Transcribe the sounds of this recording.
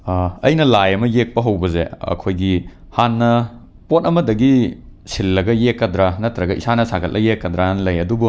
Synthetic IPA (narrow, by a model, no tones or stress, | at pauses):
ɐ̰jnɐlajɐmɐjek̚pɐɦɐwbɐzeɐ̰kʰojɡi | hanːɐ | pot̚ɐmɐdɐɡisilːɐɡɐjekːɐdɾanɐtɾɐɡɐisanɐsakʰɐt̚lʔɐjekːɐdɾanlɐjɐdubu